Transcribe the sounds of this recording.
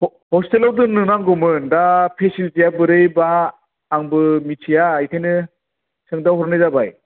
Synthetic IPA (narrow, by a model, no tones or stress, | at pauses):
hɔstelawdɯnnːɯnaŋɡɔmɯndapʰesilzijabɯɾɯjbaː | ŋbɯmit͡ʃʰijajkʰajnɯ | sɯŋdawɦɔɾnɯjzabaj